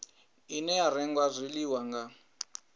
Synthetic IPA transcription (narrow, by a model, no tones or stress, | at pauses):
inɛaɾɛŋɡwazʷiliwaŋɡa